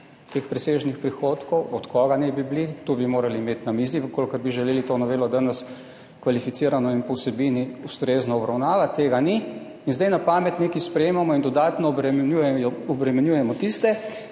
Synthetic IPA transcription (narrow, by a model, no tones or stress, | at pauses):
t̪expɾɛseːʒnixpɾixot̪kɔwɔt̪kɔːɡanɛbiblit̪ubimoːɾaliːmeːt̪namiːziʋəkoːlkəɾbiʒɛleːlit̪oːnɔʋeːlɔd̪anəs | kʋalifit̪siːɾanɔinpɔwsɛbiːniust̪ɾeːznɔɔbɾawnaːʋat̪ːeːɡani | inzd̪ajnapaːmɛt̪neːkispɾɛjeːmamɔind̪ɔd̪aːt̪nɔuɔbɾɛmɛnjuːjɛmɔt̪ist̪ɛ